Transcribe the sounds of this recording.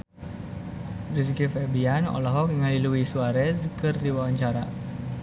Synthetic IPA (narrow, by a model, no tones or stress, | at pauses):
riskifɛbianɔ̰lɔɦɔk̚ŋəliluwisuaɾɛskɨrd̪iwawaɲt͡ʃaɾa̰